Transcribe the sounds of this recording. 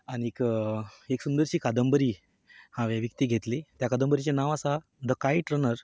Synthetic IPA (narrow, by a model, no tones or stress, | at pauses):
aniek | eksund̪əɾɕiːkad̪əmbəɾiː | hãʋjaʋjək̚t̪iːɡʱet̪let̪jakad̪əmbəɾit͡ɕenaʋasa | d̪əkaiʈɾənəɾ